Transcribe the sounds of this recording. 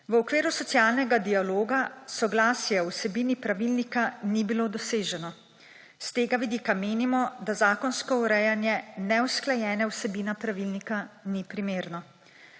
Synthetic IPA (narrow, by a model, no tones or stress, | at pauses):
ʋəɔkʋeːɾusɔt̪sjaːlnɛɡad̪ialoːɡasɔɡlaːsjɛɔwsɛbiːnipɾaʋilnikanibilod̪ɔseːʒɛnɔ | st̪eːɡaʋid̪iːkameːnimɔd̪azaːkɔnskɔuɾɛjanjɛnɛwsklajɛːnɛwsɛbiːnapɾaʋilnikanipɾimeːɾnɔ